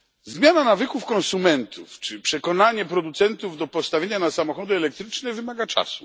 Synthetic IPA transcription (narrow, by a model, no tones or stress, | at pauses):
zmʲjananavɘkufkɔ̃nsumɛnt̪ʰuft͡ʂɘpʂɛkɔnaɲɛpɾɔd̪ut̪sɛnt̪uvd̪ɔpɔst̪avʲjeɲanasamɔxɔd̪ʊɛlɛk̚t̪ɾɘt͡ʂnɛvɘmaɡat͡ʂa̰su̥